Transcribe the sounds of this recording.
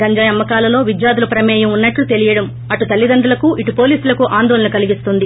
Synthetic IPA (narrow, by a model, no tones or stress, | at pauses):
ɐɲd͡ʒɐjɐmːɐkaːlɐlo̞ːʋid͡ʒjaːd̪ulɐpɾɐmɛːjɐmunːɐʈlut̪e̞lijɐɽɐm | ɐʈut̪ɐlːid̪ɐnɖ̪ulɐkuʔiʈupo̞ːliːsulɐkuʔaːnd̪ɔːlɐnɐkɐliɡist̪und̪i